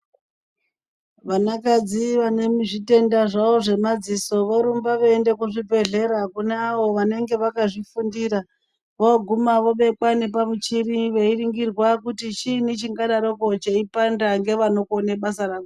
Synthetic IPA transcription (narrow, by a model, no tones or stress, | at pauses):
ʋanakad͡ziʋanemiʐite̞ndaʐaoʐe̞mad͡ziso̞ʋoɾumbaʋeende̞kuʐibʱe̞ɮe̞ɾakuneaʋo̞ʋane̞ŋɡe̞ʋakaʐifundiːɾa | ʋoɡʱumaʋo̞ɓe̞kwane̞pamut͡ʃiriʋe̞iriŋɡirwakutit͡ʃinit͡ʃiŋɡaɗaɾoko̞t͡ʃeipandaŋɡe̞ʋano̞kuoneɓasarako